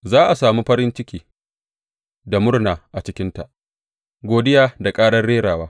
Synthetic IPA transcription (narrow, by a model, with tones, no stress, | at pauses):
zaː˦ʔa˨saː˨muː˦ɸɐ˦ɾɪ˦nt͡ʃɪ˦kʲiː˨ | da˨mʊ˦rnaː˨ʔa˨t͡ʃɪ˦kʲɪ˦nta˨ʔ | ɡʷoː˨dɪ˦jaː˨da˨kʼaː˦ɽɐ˦rɽeː˦ɽaː˨waː˦